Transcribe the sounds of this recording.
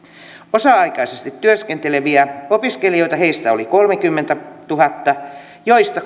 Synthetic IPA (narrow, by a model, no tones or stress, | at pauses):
osɑɑikɑisest̪it̪ːyøskent̪eleʋiæopiskelio̞jt̪ɑheist̪æoliko̞lmekymːent̪æt̪uhɑt̪ːɑ | joist̪ɑ